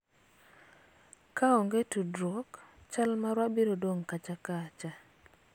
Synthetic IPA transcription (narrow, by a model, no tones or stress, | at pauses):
kaɔŋɡetudɾɔkt͡ʃalmaɾwabeɾodwoŋkat͡ʃakat͡ʃa